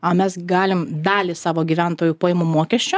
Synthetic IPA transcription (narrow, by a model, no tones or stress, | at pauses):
ɐmʲɛsɡɑːlʲɪmd̪ɑːlʲɪsɑːʋoːɡʲiːʋʲænt̪oːjupoːjemʊmoɔkʲɛʃʲt͡ʃʲʊ